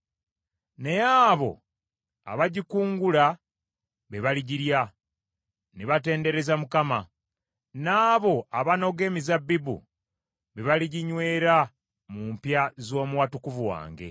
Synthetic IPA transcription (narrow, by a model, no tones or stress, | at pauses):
ne̞jaːβo̞̰ | a̰βaɟikuːŋɡula | βeβaliɟiɾja | neβate̞ːnde̞ɾe̞zamukama | naːβo̞aβano̞ɡe̞mizabːibṵ | βeβaliɟiɲwe̞ːɾa | mumpjazo̞ːmuwatukuvuwa̰ːŋɡe̞̰